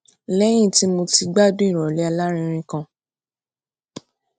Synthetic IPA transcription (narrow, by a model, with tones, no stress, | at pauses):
lɛ˦j̃ĩ˦˨ti˦mo˧ti˧ɡ͡ba˦dõ˦ĩ˦˨ɾ̃ɔ˨lɛ˨˦a˧la˦ɾ̃ĩ˧ɾ̃ĩ˧kã˧